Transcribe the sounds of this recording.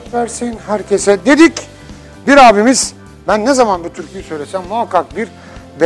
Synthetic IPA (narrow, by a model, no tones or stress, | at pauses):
væɾsinhæɾcʰesɛd̪e̞d̪ic | biɾaːbimiz̥ | bænːezamanbut̪ʰyɾcʰijisø̞jlʲesæmːuɦakʰːak̚biɾ | be